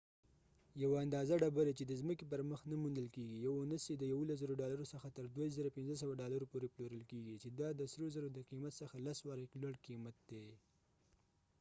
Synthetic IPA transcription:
jawaand̪ɑzaɖabaɾet͡ʃed̪əzməkep̬əɾməxnamund̪əlkeɡijawunəsed̪əjawulas̬zəɾoɖɑlaɾosəxat̪əɾd̪waizəɾapɪnzəs̬awaɖɑlaɾopoɾeploɾəlkeɡit͡ʃed̪ɑd̪əsɾozəɾod̪əqimat̪səxalaswɑɾəjklwaɽqimat̪̚d̪̥e

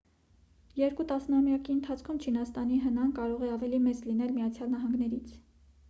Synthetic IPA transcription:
jɛɾkut̪ɑsnɑmjɑkiənt̪ʰɑt͡sʰkʰumt͡ʃʰinɑst̪ɑniɦənɑnkɑɾɔʁɛɑvɛlimɛt͡slinɛlmijɑt͡sʰjɑlnɑɦɑŋɡnɛɾit͡sʰ

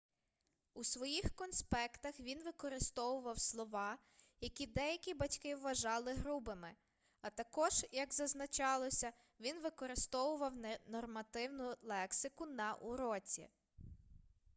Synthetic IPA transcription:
usʋɔjixkɔnspɛkt̪ɐxʋʲinʋɪkɔɾɪst̪ɔʋʊʋɐwslˠɔʋɑ | jɐkʲid̪ɛjɐkʲibɐtʲkɪwːɐʒɑlˠɪɦɾubɪmɪ | ɐt̪ɐkɔʒ̥jɐɡzɐznɐt͡ʃɑlˠɔsʲɐ | ʋʲinʋɪkɔɾɪst̪ɔʋʊʋɐwnnɔrmɐt̪ɪwnʊlˠɛksɪkʊnɐʔʊɾɔt͡sʲḭ

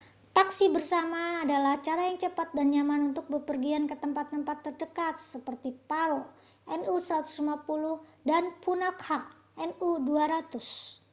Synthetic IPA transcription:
t̪aksibərsamaːdalaht͡ʃaɾajaŋt͡ʃəpat̪̚danjamanunt̪ʊk̚bəpərɡiankət̪əmpat̪ːəmpat̪ːərdəkat̪̚səpərt̪ipaɾo | ʔɛnusəɾat̪u̥slimapulʊhdanpunakha | ɛnuduaɾat̪ʊs

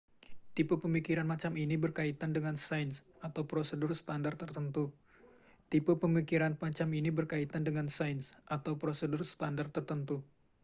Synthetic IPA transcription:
t̪ipupəmikiɾanmat͡ʃaminibərkait̪andəŋansajns | at̪awpɾosədʊrsə̥t̪andart̪ːərt̪ənt̪u | t̪ipupəmikiɾanpat͡ʃaminibərkait̪andəŋansajnsʔat̪awpɾosədʊrsə̥t̪andart̪ːərt̪ənt̪u

